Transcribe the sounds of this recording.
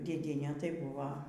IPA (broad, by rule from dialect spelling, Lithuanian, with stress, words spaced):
dʲeːˈdʲiɛnʲɛ tɐɪ ˈbʊʋɐ